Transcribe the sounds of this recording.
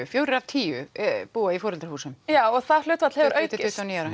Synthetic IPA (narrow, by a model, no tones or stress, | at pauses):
ʏfjoːwɾɪɾav̥t̪ʰiːʏ̰puːaifɔːɾɛlt̪aɾ̥huːsʏmjaːwɔɣθal̥ʏːt̪vat̪l̥hɛvʏɾʔœːɥt̪tɪʏht̪aniːaɾa